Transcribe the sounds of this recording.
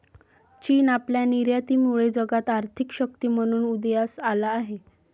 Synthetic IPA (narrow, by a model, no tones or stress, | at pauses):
t͡ɕiːnapljaniɾjat̪iːmuɭed͡zəɡat̪aɾt̪ʰikɕək̚t̪iːm̤əɽ̃uːnud̪jasalaːɦe